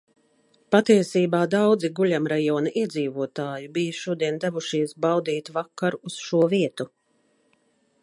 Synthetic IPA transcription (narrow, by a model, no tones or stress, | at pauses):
pat̪iɛsiːbaːd̪awd̪ziɡuʎʲamɾajɔːnɐʔiɛd̪ziːvuɔt̪aːjubijɐʃuɔd̪iɛnd̪avuʃiɛsbawd̪iːt̪vakːaɾːsʃuɔviɛt̪u